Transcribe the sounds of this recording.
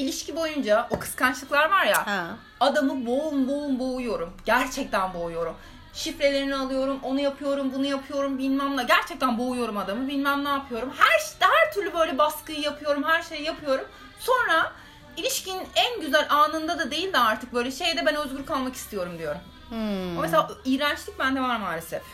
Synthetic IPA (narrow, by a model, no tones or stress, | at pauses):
ilʲiʃcʰibo̞jund͡ʒaokʰɯ̥skʰant͡ʃlˠɯklˠaɾvaɾja | ad̪amɯboumboumbo̞ujo̞ɾumɟæɾt͡ʃʰɛc̚t̪ʰænbo̞ujo̞ɾum | ʃifɾe̞lʲe̞ɾinialˠɯjo̞ɾumo̞nujapʰɯjo̞ɾumbunujapʰɯjo̞ɾumbilʲmæmlˠaɟæɾt͡ʃʰɛc̚t̪ænbo̞ujo̞ɾumad̪amɯbilʲmæmnʲaːpʰɯjo̞ɾumhæɾʃd̪hæɾt̪ʰyɾlʲybø̞jlʲɛbaskɯjɯjapʰɯjo̞ɾumhæɾʃejjapʰɯjo̞ɾum | so̞nɾa | ilʲiʃcinnænɟyzælʲaːnɯnd̪ad̪ad̪e̞jilʲd̪ɛaɾt̪ʰɯk̚bø̞jlʲɛʃejd̪ɛbɛnøzɡuɾkʰalˠmaki̥st̪ʰijo̞ɾumd̪ijo̞ɾum | meseaːijɾant͡ʃlʲic̚bænd̪ɛvaɾmaːlʲesɛ